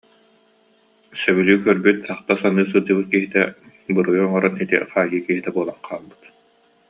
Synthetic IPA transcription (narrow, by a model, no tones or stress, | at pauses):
sœβylʲyːkœɾbyt̪ʰaχt̪asanɯːs̬ɯd͡ʑɯbɯt̪kiɦit̪ɛ | bɯɾɯjuɔŋɔɾanit̪ḭχaːɡiːkiɦit̪ɛbuɔlˠanqʰaːlˠbɯ̥t̪